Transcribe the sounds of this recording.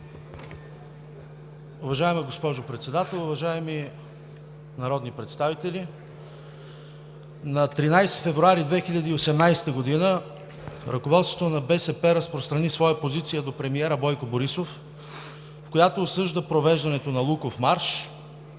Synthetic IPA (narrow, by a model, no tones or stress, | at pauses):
ʊvɐʒaɛmɛɡospɔʒopɾɛt̪sɛd̪at̪ɛlˠʊvɐʒaɛmi | nɐɾɔd̪nipɾɛt̪st̪avit̪ɛlʲi | nɐt̪ɾinajst̪ʲifɛvɾuaɾid̪vɛxiʎʲɐd̪əiosɛmnajst̪əɡod̪inə | ɾʔɐkovɔt̪svot̪onɐbɛsɛpɛɾɐspɾost̪ɾɐnisvɔjəpozit̪sijəd̪opɾɛmiɛɾəbɔjkoboɾisof | fkojat̪oːsɤʒd̪əpɾovɛʒd̪ɐnɛt̪onɐlˠukofmaɾʃ